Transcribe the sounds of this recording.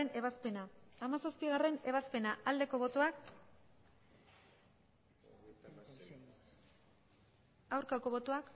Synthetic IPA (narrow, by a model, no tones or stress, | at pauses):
ene̞βaspe̞naːmasaspiɣ̞are̞ne̞β̞aspe̞naʔald̪e̞ko̞βo̞t̪oak | awɾkako̞βo̞t̪oak